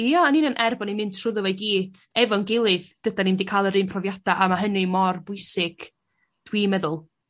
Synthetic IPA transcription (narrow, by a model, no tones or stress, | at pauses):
jaaninɔnʔɛrbɔnimɪntʰr̥ʊðɔvɛɡiːd̥ɛvɔnɡɪlˠɨðɡ̥ədanimdikʰaːlˠəɾɨːnpʰrɔvjad̥aʔamaɦənɨmɔrbʊjsɪɡ̥ | d̥wiːmɛðʊlˠ